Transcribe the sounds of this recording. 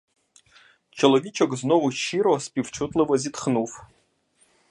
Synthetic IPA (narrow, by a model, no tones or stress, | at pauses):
t͡ʃʰelɐvʲit͡ʃʰɐkznovuʃiɾospʼift͡ʃʰut̪ʼlɨvɐzʲitχnuf